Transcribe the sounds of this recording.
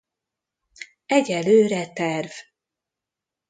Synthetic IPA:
ɛɟɛløːɾɛt̪ɛrv̥

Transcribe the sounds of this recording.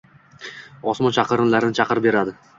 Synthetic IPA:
ɒsmɒnt͡ʃʰɑqʰɨɾɪnlaɾɪnɪt͡ʃʰɑqɨɾbe̞ɾad̪ɪ

